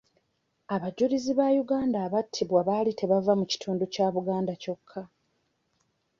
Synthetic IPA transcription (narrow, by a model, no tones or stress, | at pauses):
aβaɟuɾiziβajuɡaːndaːβatʰːiβwaβalite̞βavamuci̥tʰuːnducaːβuɡaːndaco̞kʰːa